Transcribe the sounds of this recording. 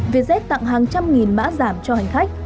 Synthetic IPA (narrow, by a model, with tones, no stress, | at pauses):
ve˨˩zɛ˦˥t̚t̪a̰˧˨ŋɦaː˨˩ŋt͡ɕa˧mŋi˨˩nma̰ː˧˥zaː˧˩mt͡ɕɔ˧ha˨˩jŋ̟xa˦˥k̚